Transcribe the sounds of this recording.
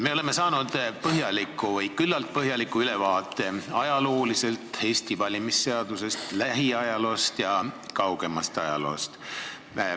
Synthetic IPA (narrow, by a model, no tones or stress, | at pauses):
me̞ole̞mesɑːnud̪̥pɤɦjɑlikːˑuvɤjkylːɑlt̪̚pɤɦjɑlikːˑuylevɑːt̪ːˑe̞ɑjɑlo̞ːlise̞lt̪he̞ːst̪ivɑlʲimisːe̞ɑd̪̥use̞st̪læɦiɑjɑlo̞ːst̪jɑkɑwɡ̥e̞mɑst̪ɑjɑ̰lo̞̰ːst̪